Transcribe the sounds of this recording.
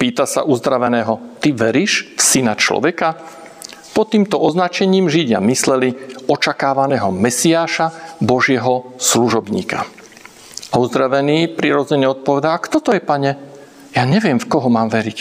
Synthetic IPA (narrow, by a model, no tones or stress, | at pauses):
piːt̪asa̰ʔuzd̪ɾaʋɛnɛːɦɔt̪iʋɛɾiːʃfsinat͡ʃlɔ̰ʋɛka | pɔt̪ːiːmt̪ɔʔɔznat͡ʃɛɲiːmʒiɟa̰mislɛliɔt͡ʃakaːʋanɛːɦɔmɛsiaːʃabɔʒɪɛɦɔsluʒɔbɲḭːka | auzd̪ɾaʋɛniːpɾiɾɔd͡zɛɲɛɔt̪̚pɔʋɛd̪aakt̪ɔt̪ɔjɛpaɲɛ | jaɲɛʋɪɛmfkɔɦɔmaːmʋɛɾic